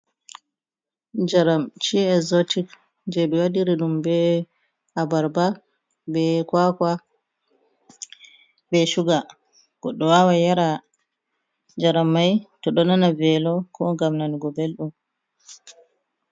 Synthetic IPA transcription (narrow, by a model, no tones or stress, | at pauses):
d͡ʒaɾamt͡ʃiɛzotik | d͡ʒɛɓɛwadiɾiɗumbɛ | habaɾba | bɛkwakwa | bɛʃuɡa | ɡ̥ɔɗɔwawajaɾa | d͡ʒaɾamːajtɔɗɔnanavɛlɔkʰɔŋɡamnaniɡɔbelɗum